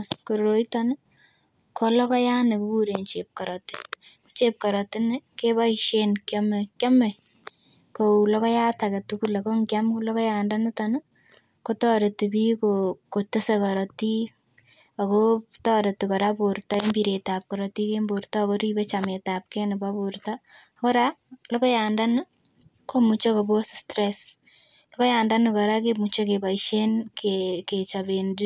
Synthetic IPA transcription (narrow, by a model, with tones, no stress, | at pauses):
koɾoitɔn˦ | kʰolɔ˦kɔ˦ja˦nɪ˨kubuɾent͡ʃep̚kɔ˨ɾɔtɪ̥ko̥˦t͡ʃe˦p̚kɔɾɔtɪnɪke˦ba˦iʃenkjɔme˨kjɔ˦me˨ | koulɔ˦kɔ˦ja˦take˨tukule˨ko˦ŋɡjamkulɔ˦kɔ˦jandanɪ˦tɔnɪ˦ | kotɔ˦ɾe˨ti˨bi˦kokotɪ˦sekɔ˨ɾɔti˦ | a˨kotɔː˦ɾe˨tikɔ˨ɾaboɾta˦e˦mbi˨ɾeta˨p̚kɔ˨ɾɔ˨ti˦kembo˨ɾta˦koɾi˦be˦t͡ʃame˨tap̚kenɪ˨babortako˦ɾalɔ˦kɔ˦jaːnda˦n˦ | komu˨t͡ʃo˦ko˨bo˦sɪstɾes | lɔkɔ˦jaː˨nda˦nɪkɔɾa˦kemu˨t͡ʃe˦keba˨iʃe˦nkeket͡ʃabend